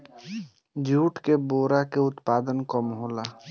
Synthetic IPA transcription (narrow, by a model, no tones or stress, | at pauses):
d͡ʒuːʈkeboːɾakeʊt̪paːd̪ənkəmɦoːla